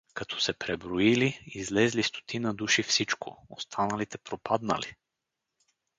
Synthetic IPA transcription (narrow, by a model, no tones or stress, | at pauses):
kɐt̪ʰɔ̥sɛpɾɛbɾoiliizlɛzlist̪o̥t̪ʰinəd̪uʃifsit͡ʃko̰ost̪ʰanɐlit̪ɛpɾopad̪nə̰li